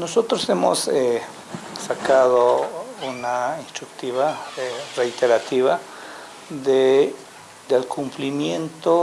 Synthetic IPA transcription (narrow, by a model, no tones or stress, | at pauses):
nosot̪ɾosemo̰se | sakaðounainst̪ɾukt̪iβarejt̪eɾat̪iβa | ðe | d̪elkʰumplimjent̪o